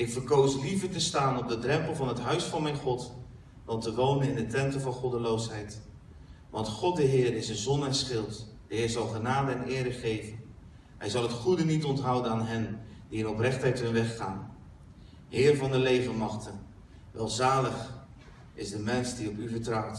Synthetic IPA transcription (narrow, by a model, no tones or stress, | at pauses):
ɪkfəɹkowslivətəstaːnɔb̚dədrɛmpəlˠvɑnɦətɦœɥsfɑnmɛjnχɔt | dɑltəʋownənɪndətɛntəvɑnχɔdəlowsɦɛjt | ʋɑntχɔt̚dəɦɪːrɪsənzɔndɛsχɪlˠtd̥əɦɪːɹzɑlˠχənaːdəɛnɪːɾəχejvən | ɦɛjzɑlˠɦətχudənitɔntɦʌwdənaːnɦɛndiɪnɔprɛχtɛjtɦɵnʋɛχːaːn | ɦɪːrvɑndəlejvənmɑχtən | ʋɛlˠzaːləχ | ɪzdəmɛnsdiɔpyvəɹtrʌwt